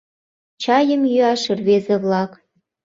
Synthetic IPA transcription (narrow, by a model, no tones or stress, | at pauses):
t͡ɕɑjə̆mjyɑʃĕrβezĕβlɑk